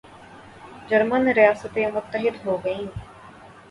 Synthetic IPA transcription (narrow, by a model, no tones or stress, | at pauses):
d͡ʒəɾmənɾɪjaːsət̪eːmʊt̪ːəɦɪd̪ɦoːɡəĩː